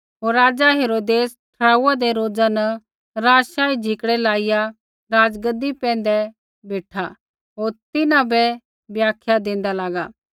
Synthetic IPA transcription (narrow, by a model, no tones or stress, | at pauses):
ɦoːɾːaːd͡zaɦeːɾoːd̪eːsʈʰɾaːuad̪eɾoːd͡zanə | ɾaːʃaːid͡ʒʱɪkɽɛlaːɪja | ɾaːd͡zɡəd̪ːipɛ̃ːn̆d̪ɛ | beːʈʰa | ɦoːɾt̪ɪnãbɛ | bjaːkʰjad̪ẽːnd̪alaːɡaː